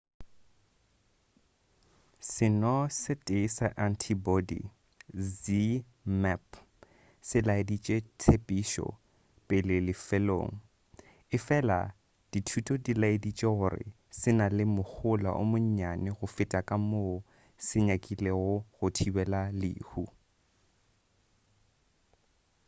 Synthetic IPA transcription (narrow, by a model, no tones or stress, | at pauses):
sɪnɔsɪtʼeisaʔantʰibɔdḭ | d͡zi | mɛp | sɪlaɪdit͡ʃʼetʰepʼiːʃɔ̰ | pʼɪlɪlɪfɛlo̰ːŋ̩ | ɪfɛla̰ | d̥itʰutʼɔdilaɪdit͡ʃʼeɣʊrɪ̰ | sɪnalɪmʊk͡xʰʊla̰ʔʊ̰mʊɲ̩ɲanɪɣʊfɪtʼakʼamoʊ | sɪɲakʼileɣʊɣʊtʰibɛlalɪ̰ːhu